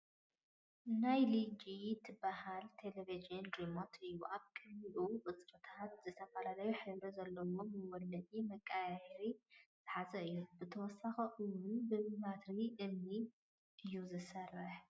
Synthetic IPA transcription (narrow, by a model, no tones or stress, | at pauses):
najlid͡ʒit̪ʰɨbahalt̪ʰelevid͡ʒɨndɾimot̪ʰɨjːuʔaβkʼɐliʔuʔʼɨt͡sʼɾʼɨt̪ʰat̪zɨt̪ʰɐfɐlalɐjuħɨβɾozɐlːɐwomɨwɔlːɐd̪ʼimɐkʼːajajɛɾiz̥ɨħazɐɨjːubɨt̪ʰɐwɔsːaxɐʔɨwʊnbɨmat̪ɾiʔɨmni | ʔɨjːuzɨsɐrːɨħ